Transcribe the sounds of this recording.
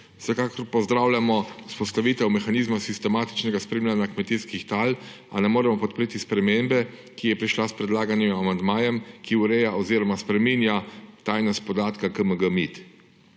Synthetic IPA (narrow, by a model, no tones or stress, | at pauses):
wsɛkaːkɔɾpɔzd̪ɾawlʲjamɔuspɔst̪aʋiːt̪ɛwmɛxaniːzmasist̪ɛmaːt̪i̥t͡ʃnɛɡaspɾeːmlʲanjakmɛt̪iskixt̪al | a̰nɛmoːɾɛmɔpɔt̪̚pɾeːt̪ispɾɛmembɛ | kijɛpɾiʃlaspɾɛd̪laːɡanjɛmamand̪maːjɛmkiuɾɛjaʔɔziːɾɔmaspɾɛminjat̪aːjnaspɔd̪aːt̪kakəməɡəmit̪